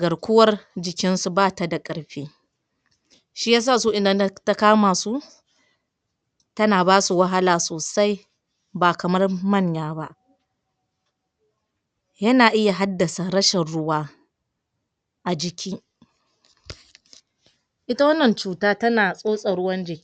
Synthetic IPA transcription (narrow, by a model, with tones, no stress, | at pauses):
ɡɐ˨ɽkʷʊ˦wɐ˦rd͡ʒɪ˨kʲɪ˦nsu˨baː˦ta˨da˨kʼɐ˨ɽɸeː˦ | ʃiː˦jaː˦s̬aː˦˨soː˦ʔɪ˨nda˨n˦ta˦kaː˦maː˨su˦ | tɐ˦naː˨baː˦su˨wɐ˦ɦa˦laː˨soː˨sa˦j | baː˨kɐ˨mɐ˦rmɐ˦˨ɲjaː˦ba˦ʔ | jɐ˦naː˨ʔɪ˦ja˨ɦa˦dːɐ˨sa˨ɾɐ˦ʃɛ˨nɽʊ˦waː˦ | ʔa˨d͡ʒɪ˨kʲiː˦ | ʔɪ˦ta˦wɐ˦nːɐ˨nt͡ʃuː˦taː˦tɐ˦naː˨sʼoː˦sʼɐ˨ɽʊ˦wɐ˦nd͡ʒɪ˨˦